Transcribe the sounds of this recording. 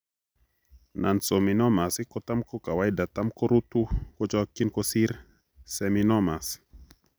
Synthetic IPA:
na˨nso˨mi˨nɔ˦ma˨si˦kɔ˦t̪a˦mkɔ˦ka˨wa˦jida˨t̪a˦mko˦ɾu˦t̪u˦kɔ˦t͡ʃɔ˦kːi˦nko˦si˦ɾ | sɛminɔ˦ma˨s

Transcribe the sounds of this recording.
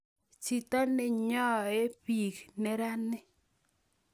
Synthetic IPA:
t͡ʃi˨t̪ɔ˦nɪ˨ɲɔ˦e˦pi˨knɛ˦ɾa˦nːɪ˦

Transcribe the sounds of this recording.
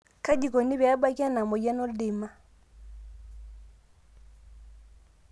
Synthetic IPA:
ka˦di˨kɔ˨ni˦βɛ˨a˦ba˦ki˦a˦na˨mɔ˨ja˦nɔ˦ldɪ˨ma˦

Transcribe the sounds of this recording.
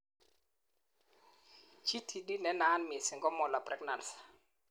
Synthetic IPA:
t͡ʃi˦tʰi˨di˦nɛ˦na˦nmɪ˨sɪ˨ŋɡɔ˦mɔ˨la˨prɛ˦ɡna˨ns

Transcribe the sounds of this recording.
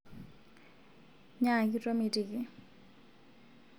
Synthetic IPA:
ɲa˦˨ki˦tʼo˦mi˨tʼi˨ki˨

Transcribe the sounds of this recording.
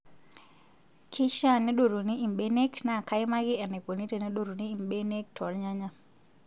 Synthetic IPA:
kʰi˦ʃa˦ne˦ɗo˨ɾo˨ni˦i˨mɓe˦ne˦kna˦˨ka˦ɪ˦ma˦ɡɪ˦ɛ˨ne˨ko˨ni˦te˨ne˦ɗo˨ɾo˨niː˦˨mɓe˦ne˦k̚tʰɔ˨lɲa˦ɲa˦

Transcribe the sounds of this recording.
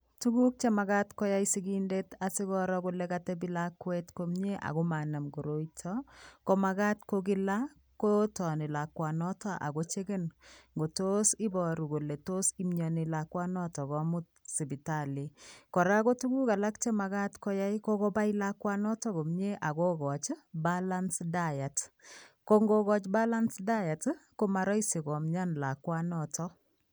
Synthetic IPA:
tu˦ɡu˦k̚t͡ʃɛ˦ma˨ɡa˦tkɔ˦ja˦isi˦ɡi˦nde˦ta˨si˦kɔ˦ɾɔ˦ko˦lɛ˦ka˦tɛ˦bi˦lakwɛ˦tko˨mɲe˦ʔa̰˨ɡo˦ma˨na˨mɡo˨ɾo˨˦itʰɔko˦ma˨ɡa˦tko˦ɡɪ˦la˦ | ko˦tɔ˨nɪ˨la˨kwa˨nɔ˦tɔ˦ʔa̰˨ɡo˦t͡ʃe˦ɡe˦nŋɡo˨to˦sɪ˦bɔ˨ɾu˨ɡo˨le˨to˦si˦mɲɔ˨nɪ˨la˨kwa˦nɔ˦tɔ˨kɔ˨˦mu˦t̚si˨bi˨ta˨li˨kɔ˨ɾa˦ko˦tu˦ku˦ka˨la˦kt͡ʃe˦ma˨ɡa˦tkɔ˦ja˦jko˦ko˦ba˦jla˦kwa˦nɔ˦tɔ˦ɡo˨mɲe˦ʔa˨ɡo˦ɡɔ˨t͡ʃbala˦nsda˦ja˨tko˦ŋɡo˦kɔ˦t͡ʃba˦la˦nsda˦ja˨tko˦ma˨ɾɔ˦jse˨kɔ˨mɲa˦nla˨kwa˦nɔ˨tɔ˦

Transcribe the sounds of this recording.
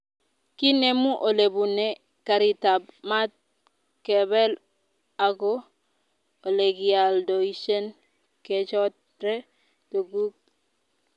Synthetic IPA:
ki˦ne˦mu˦ʔo˨le˨bu˨ne˨ | ka˨ɾi˨ta˨b̚ma˦t̚ | ke˨bɛ˦l | a˨ɡo˦ | o˨le˨ɡi˨a˨ldo˨i˦ʃe˦n | ke˨t͡ʃɔ˦t | ɾe˦ | do˨ɡu˦k̚

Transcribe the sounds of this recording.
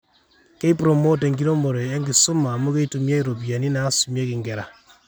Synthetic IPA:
ke˦i˦pɾo˨mo˦te˨ŋɡi˦ɾo˦mo˨ɾɔ˨a˦ŋɡɪ˨sʊ˦maː˨mɔ˦ke˦i˦tu˨mja˦i˦ɾo˨bi˨a˨ni˦na˨˦sumja˦kɪ˨ŋɡɛ˨ɾa̰˨

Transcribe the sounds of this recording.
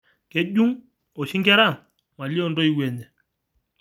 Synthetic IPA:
kɛ˦ʄu˦ŋ | ɔ˨ʃi˦ŋɡɛ˦ɾa˦˨ŋ | ma˨li˦ɔ˦˨ndɔ˦i˦wɛ˨nɛ˨

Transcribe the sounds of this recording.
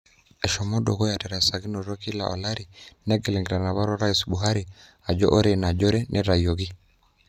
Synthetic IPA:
ɛ˨ʃɔ˨mɔ˦dɔ˨kɔ˦ja˨tɛ˨ɾa˨sa˨ɡi˦nɔ˨ɾɔ˦ki˦la̰˨ʔɔ̰˨la˦ɾi˨nɛ˦ɡɛ˨lɛ˨ŋɡi˨ɾa˨na˨βa˦ɾɔ˦ɾa˦i˨sɓu˨ɦa˦ɾi˨ | a˨d͡ʒɔ̰˦ʔɔ˦ɾɛ˨na˨d͡ʒɔ˦ɾɛ˦nʔɛ˦ɾa˨jɔ˨ɡi˦

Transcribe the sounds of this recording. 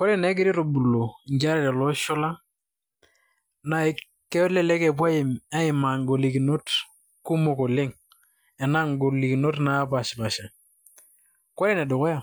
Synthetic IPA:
ko˦ɾe˦nɛ˨˦k̬ɪ˦ɾi˦ɾo˨bu˨lo˨ɲd͡ʒa˦ɾa˦ɾa˨lɔ˦ʃɔ˦la˦ | na˨˦ | kɛ˦lɛ˦lɛ˦kɛ˨pa˦ɪ˨ma˦ɪ˨ma˨ŋɡo˨li˨ki˨no˦t | ku˦mʊ˨ko˨lɪ˦ŋ | ɛ˨na˦ŋɡo˨li˨ki˨no˦tna˨˦pa˨ʃɪ˨pa˨ʃa˨ | ko˦ɾe˦nɛ˨dʊ˨kɔ˦ja˦˨

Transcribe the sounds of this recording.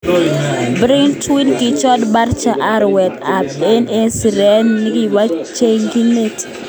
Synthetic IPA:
bɾi˦ŋtwi˦nkɪ˦t͡ʃɔ˦dba˦rt͡ʃa˨ʔa˦ɾwɛ˨t̪a˨pe˦ne˦si˨ɾɛ˦nːɪ˦ɡi˦˨wa˦t͡ʃe˦ŋɡi˦ne˦t

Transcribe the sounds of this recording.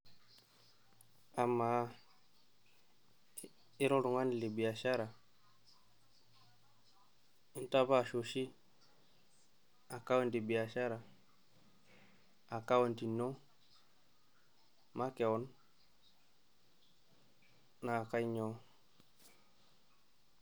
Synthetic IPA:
a˨mːa˨˦ | i˦ɾo˦ɾu˨ŋa˦ni˨li˨bi˨a˨ʃa˦ɾa˨ | i˦nta˦ba˦˨ʃo˨ʃi˦ | a˨ka˦wa˦˨ndi˨bi˨ja˨ʃa˦ɾa˨ | a˨ka˦wa˨nti˨nːo˦ | ma˦ke˨wo˦n | na˨ka˦ɲo˦

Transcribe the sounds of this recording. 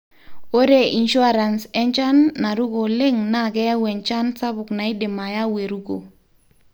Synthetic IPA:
o˦ɾe˦˨ʔi˨nʃu˦a˦ɾa˨nsɛ˦nt͡ʃa˦nːa˨ɾu˦ɡo˨lɪ˦ŋna˦˨kɛ˦ja˦wɛ˨nt͡ʃa˦nsa˦bʊ˨kna˨ɪ˦dɪ˨ma˨ja˦we˨ɾu˦ɡo̰˨

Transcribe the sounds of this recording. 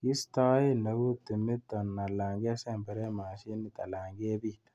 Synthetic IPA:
ki˦sta˦ji˦na˨wu˦ti˨mi˦tːɔ˨nːa˨la˨ŋɡe˦sɛ˦˨mbɛ˨ɾɛ˦ma˨ʃi˦nːi˨ta˨la˨ŋɡe˦bi˦

